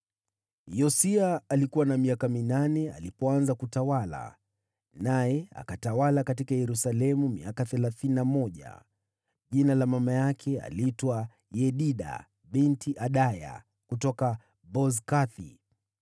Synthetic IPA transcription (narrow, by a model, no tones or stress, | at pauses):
jɔsiaːlikuwanamiakaminanɛa̰lipɔanzakutawala̰ | najɛa̰katawalakatikajɛɾusalɛmumḭakaθɛlaθininamɔʄa̰ | ʄinalamamajakʰɛa̰liitwa | jɛɗiɗa̰ | ɓintiʔaɗaja̰ | kutɔka | bɔzkaθḭ